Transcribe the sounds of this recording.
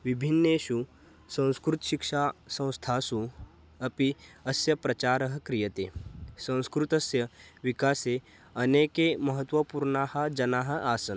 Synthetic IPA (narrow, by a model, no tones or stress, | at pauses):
ʋibʱinːeːʃu | sɐ̃w̃skɾut̪ʃikʂaːsɐ̃w̃st̪ʰaːsu | ɐpiɐsjɐpɾɐt͡ʃaːɾɐɦɐkɾijɐt̪ḛːsɐ̃w̃skɾut̪ɐsjɐʋikaːse | ɐneːkemɐɦət̪ʋɐpuːɾɳaːhɐ̆d͡ʒɐnaːɦɐ̆ʔaːsɐn